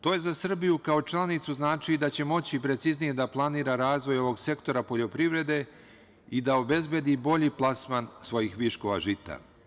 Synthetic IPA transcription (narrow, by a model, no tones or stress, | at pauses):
t̪o̞ːjezasr̩bijukao̞t͡ʃlˠanit̪suznaːt͡ʃid̪at͡ɕe̞mo̞t͡ɕipɾe̞t̪siznije̞d̪aplˠaniːɾaɾaːzʋo̞jo̞ʋo̞ɡse̞kt̪o̞ɾapo̞ʎo̞pɾiʋɾe̞d̪e̞ | id̪ao̞be̞zbje̞d̪ibo̞ʎiplˠasmansʋo̞jixʋiʃko̞ʋaʒit̪a̰